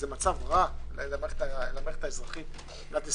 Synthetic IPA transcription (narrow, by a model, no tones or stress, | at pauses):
zemat͡savʁallameχe̥t̪aelameχe̥t̪aezʁaχit | nat̪is